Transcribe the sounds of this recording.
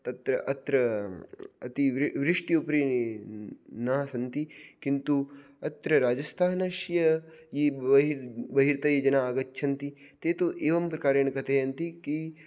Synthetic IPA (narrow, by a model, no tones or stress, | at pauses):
t̪ɐt̪ɾɐʔɐt̪ɾɐ | ɐt̪iʋʋɾɪʂʈiupɾi | nɐːɐsɐnt̪ikint̪u | ɐt̪ɾɐɾaːd͡ʒɐst̪ʰaːnɐʃjɐji | bɐɦiɾt̪ɐjɐd͡ʒɐnaːɡɐtːʃʰɐnt̪it̪eːt̪oʔeːʋɐmpɾɐkaːɾeːɳɐkɐt̪ʰeɐnt̪iki